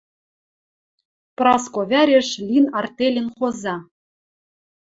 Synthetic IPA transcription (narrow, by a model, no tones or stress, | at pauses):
prɑskoβʲæɾʲeʃlʲinɑrt̪elʲɘ̆nχozɑ